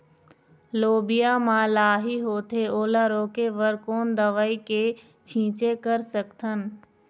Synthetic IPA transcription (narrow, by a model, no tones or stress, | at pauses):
loːbɪjamãːlaːɦiɦoːt̪eoːlaɾoːkeʋəɾkoːnd̪əʋaːike | t͡ʃʰĩːt͡ʃekəɾsəkt̪ʰən